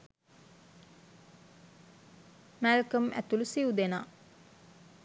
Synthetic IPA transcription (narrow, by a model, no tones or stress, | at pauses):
mælkəmæ̰t̪ulusiud̪enaː